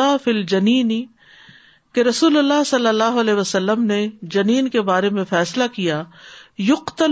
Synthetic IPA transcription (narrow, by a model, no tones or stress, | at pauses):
afild͡ʒɐniːni | keɾɐsuːlʊlːaɦsɐlːəlːaːɦʊɐlɛːʋəsəlːəmned͡ʒɐniːnkebaːɾemẽfɛːslakijajʊqt̪ə